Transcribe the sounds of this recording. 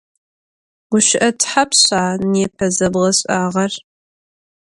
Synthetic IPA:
ʁʷʊʃɪʔɐtħapʰɕaːneːpʰɐzɐbʁɐɕʼaːʁɐr

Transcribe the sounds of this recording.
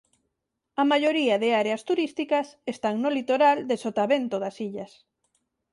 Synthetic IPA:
ɐmaʎoɾiaðeaɾeast̪uɾist̪ikɐsest̪aŋnolit̪oɾald̪esot̪aβent̪oðasiʎɐs

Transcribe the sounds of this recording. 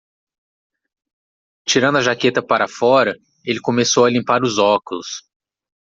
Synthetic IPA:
t͡ʃiɾɐ̃d̪ʊɐʒaket̪ɐpaɾɐafɔɾɐ | elɪkõmesowɐlĩmpaɾʊzɔkʊlʊs

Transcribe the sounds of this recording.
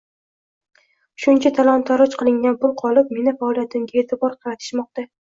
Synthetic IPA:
ʃʊnt͡ʃʰat̪ʰalˠɒnt̪ʰɒɾɒt͡ʃqʰɨlˠɪŋɡʲanbʊlˠqʰɒlˠɪp̚me̞nɪfaɒlˠijat̪ʰɪmɡʲaet̪ʰɪbɒɾqʰɑɾat̪ʰɪ̥ʃmɒq̚t̪a

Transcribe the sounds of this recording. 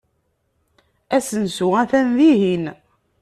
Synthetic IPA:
æsənsuæθænðiɦin

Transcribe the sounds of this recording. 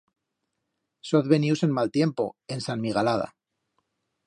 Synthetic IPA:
soðβenjuwse̞nmalt̪je̞mpo̞̰e̞nsanmiɣ̞alaða̰

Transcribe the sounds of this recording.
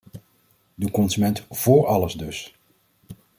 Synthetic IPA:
dukɔnzymɛntv̥ʊːɹɑləzdɵs

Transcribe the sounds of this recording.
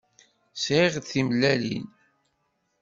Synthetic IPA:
sʕiʁd̪θimlːælḭn

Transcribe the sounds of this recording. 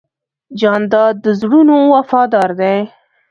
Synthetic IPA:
d͡ʒɑnd̪ɑd̪əzɽunowafɑd̪ɑɾd̪ej

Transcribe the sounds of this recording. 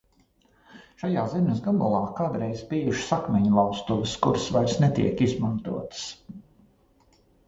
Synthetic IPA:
ʃajaːzɛmʲəsɡabɔlˠɑːkaːd̪ɾɛjzbiːjuʃsakmʲɛɲlˠɑwst̪uvɪskuɾsvaɾsnɛt̪ḭɛkizmant̪ṵɔt̪s

